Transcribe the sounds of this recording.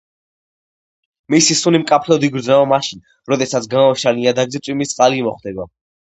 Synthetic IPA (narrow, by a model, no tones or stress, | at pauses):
misisunimkʼapʰlɔd̪iɡɾd̪znaɔmaʃin | ɾɔd̪ɛsat̪sɡamɔʃaliad̪aɡzɛt̪sʼwimist̪ʼqʼalimɔχd̪ɛba